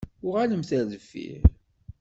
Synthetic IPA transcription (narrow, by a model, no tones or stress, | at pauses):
ʊʁaləmθæɾðəfːḭɾ